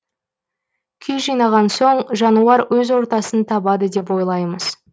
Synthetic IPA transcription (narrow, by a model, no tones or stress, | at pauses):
kʲʰejʒijnɑʁɑnso̞ɴʒɑnuɑɾwɵzwo̞ɾt̪ɑsənt̪ʰɑbɑd̪əd̪e̞p̬wo̞jlˠɑjməz̥